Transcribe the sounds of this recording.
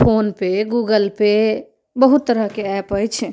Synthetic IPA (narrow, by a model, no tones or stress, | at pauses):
pʰonpeɡuɡəlpe | bəɦut̪ːəɾəɦkeɛpəjt͡ʃʰ